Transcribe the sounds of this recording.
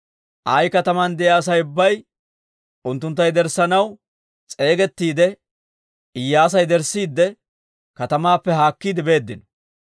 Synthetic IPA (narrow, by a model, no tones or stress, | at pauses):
ʔajkɐt̪ɐmɐnd̪ɛjaːsɐjʊbːɐj | ʔʊnt̪ːʊnt̪̬ːɐjd̪ɛɾsɐnɐw | t͡sʼe̞ːɡɛt̪ːiːd̪ɛ | ɪjːaːs̬ɐjd̪ɛɾsːiːd̪ːɛ | kɐt̪ɐmaːpːɛɦaːkːiːd̪ɪbe̞ːd̪ːɪnɔ̥